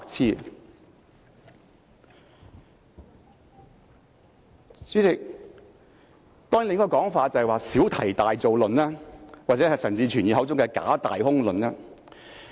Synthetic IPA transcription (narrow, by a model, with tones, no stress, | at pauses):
k̚t͡sʰiː˥ | t͡syː˨˥t͡sɪ˨k̚ | t̪ɔː˥ŋji˨lɪ˨˥ŋ˥kːɔ˧kɔː˨˥ŋfaː˧t̚t͡sɐ˨hwaː˨siː˨˥wt̪ʰɐ˨˩jt̪aː˨jt͡so˨wlɵ˨nlɛː˥waː˨t̚t͡sɛː˨˥ɐ˨t͡sʰɐ˨˩ŋt͡siː˧t͡ʃʰyː˨˩njiː˨ɦɐ˨˥wt͡sʊ˥ŋkɛː˧ka̰ː˨˥t̪a̰ː˨jhʊ˥ŋlɵ˨nlɛː˥